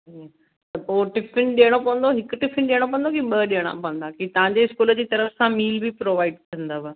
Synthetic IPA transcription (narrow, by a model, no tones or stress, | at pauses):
ɦĩ | t̪ɐpoːʈɪfɪnɗiəɽ̃opɐʋə̃nd̪oɦɪkʊʈɪfɪnɗiːəɽ̃op̬ɐ̃ə̃nd̪okiɓɐɗiəɽ̃a̰pɐʋə̃n̆d̪akit̪ɐʋãɲd͡ʑeɪskuːləd͡ʑiːt̪ɐɾəfsãmiːlbʱipɾoːʋaːɪɖkɐ̃nd̪aːbɐ